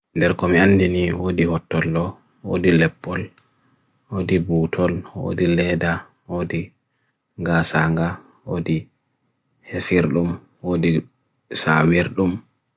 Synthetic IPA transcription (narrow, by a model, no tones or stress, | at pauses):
ndɛɾkɔmianːdiniwodihɔtːɔlːɔ | wo̰dilɛpːɔl | woːdibuːtʰɔlwo̰dilɛda | woːdi | ɡaːsaŋɡa | wodi | hefiɾɗum | wodi | sa̰wiɾɗum